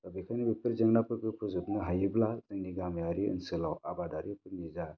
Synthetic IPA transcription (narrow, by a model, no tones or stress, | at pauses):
kabikʰanibipɯɾzɯŋnapɯɾkɯpʰɯzutnɯɦajɯblazɯŋniɡamajaɾiɯ̰nsɯlawabadaɾipʰɯɾniza